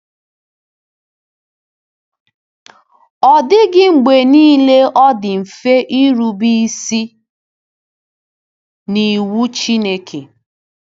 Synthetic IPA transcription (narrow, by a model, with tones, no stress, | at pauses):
ɔ˨dɪ˦ɡɪ˦ŋ͡m̩˨ɡ͡be˨niː˦le˦ʔɔ˦dɪ˨m̩˨fe˦ʔi˦ɾu˨bi˦si˦ | ni˨wu˦t͡ʃi˦ne˦kʰe˨